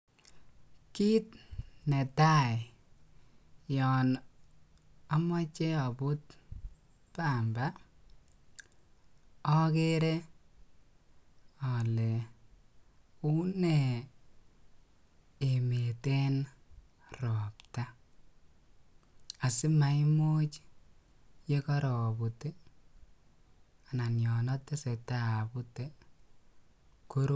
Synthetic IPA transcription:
ki˦tne˨ta˦j | jɔ˨n | a˦ma˦t͡ʃe˦a˨bu˦t̚ | pa˦˨mba˦ | ɔ˦ke˦ɾe˦ | ɔ˨le˨ | u˦ne˨ | e˨mete˦n | rɔ˨pta˦ | a˨sɪ˦ma˨imo˦t͡ʃ | je˦kɔ˦ɾɔ˨bute˦ | a˨na˨njɔ˨nɔ˦tːe˦se˨ta˦˨bu˦te˦ | ku˦ɾ

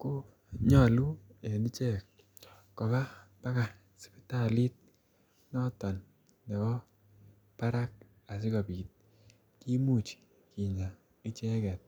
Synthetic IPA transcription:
ko˦ | ɲɔ˦˨lu˦e˨ni˦t͡ʃɛ˦˨kː | ɔ˨ba˦pa˦ka˨ | si̥˨pi˦ta˦˨li˦t̚ | nɔ˦tɔ˨n | nɛ˨bɔ˦ | pa˦ɾa˦k̚ | a˨sɪ˦kɔ˨pi˨t̚ | ki˦mu˦˨t͡ʃ | ki˨ɲa˨ | i˦t͡ʃɛ˦kɛ˨t̚

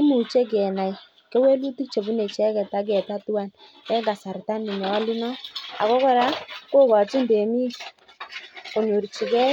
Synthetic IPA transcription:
ɪ˦mu˨t͡ʃe˦k̬ɛ˨na˨i˨ | kɛ˦we˦lu˦tu˦k̚t͡ʃe˨bu˦ne˨t͡ʃɛ˦kɛ˨ta˦k̬ɛ˨ta˦tu˦a˦˨n | kɛ˦ɡa˨sa˨ɾta˦ni˨ɲɔ˨a˦li˦nɔ˦a̰˨kɔ˦kɔ˦ɾa˦ko˦ka˨tu˦nbe˨mi˦ | ko˨ɲu˨ɾt͡ʃi˨kɛ˦

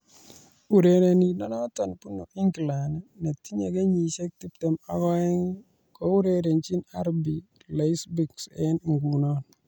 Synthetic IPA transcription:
u˨ɾe˨ɾe˨ni˨nɔ˦nɔ˦t̪ɔ˨npu˦no˨ʔi˦ŋɡla˨nne˨t̪i˦ɲe˨ɡe˦ɲi˨ʃe˦k̚ti˦pt̪ɛ˨ma˦ɡɔ˦ɛ˦ŋ | kɔ˦u˦ɾe˦ɾe˨ɲt͡ʃi˦na˦ɾbi˨ | le˨i˦sbi˨ksɛ˦nŋɡu˨nɔ˦n

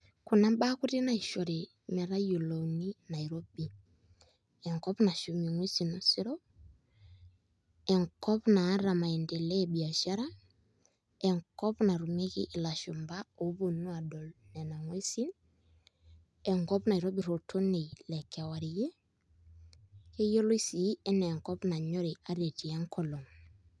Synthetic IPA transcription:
ku˨na˦ɓa˦ku˦ɾi˦na˨i˨ʃɔ˨ɾe˨ | mɛ˨ɾa˦ju˨lo˨ni˦na˨i˨ɾɔ˦bi˨ | ɛ˨ŋkɔ˦pna˨ʃu˨mi˨ŋwe˦si˨nu˦si˦ɾɔ˦ | ɛ˨ŋkɔ˦βunaː˨˦ɾa˨ma˨ɛ˨ndɛ˨lɛɓi˨a˨ʃa˦ɾa˦ | ɛ˨ŋkɔ˦pna˨ɾu˨me˦kḭ˦ʔːla˨ʃu˨mba˦o˨˦bo˨nu˦a˨dɔ˨lnɛ˨na˨ŋwe˦si˦n | ɛ˨ŋkɔ˦pna˨i˨ɾo˦bi˨ɾo˨tʰo˦ne˨lɛ˨kʰa˨wa˨ɾi˨je˦ | ke˦jo˦lo˦i˦si˨˦ɛ˦nɛ˨ŋkɔ˦pna˨ɲɔ˦ɾe˨a˨ɾe˨ti˨ɛ˦ŋkɔ˦lo˨ŋ

